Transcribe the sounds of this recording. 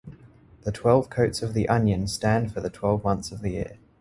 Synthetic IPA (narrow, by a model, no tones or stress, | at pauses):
ðətʰw̥ɛlˠv̥kʰəʊtsəvðiʔʌ̃njə̃nstæ̃nd̥fəðətʰw̥ɛlˠvmʌ̃nθsəvðəjɪ̰ə